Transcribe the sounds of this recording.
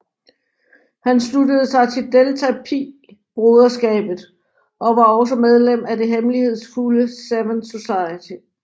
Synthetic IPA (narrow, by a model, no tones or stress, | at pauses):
hænsludəð̞̩ˠsɑ̈ɪt͡sʰe̝ld̥elt͡sʰæpʰi | b̥ʁoðˠɐsɡ̥ɛ̰ːb̥ð̩ˠ | ʔɒ̽ʋɑ̈ɒ̽s̬əmeð̞ˠlem̰æde̝ɦemlihe̝ð̞̰ˠsfuləsæʋənso̝sɑ̈ɪət͡sʰi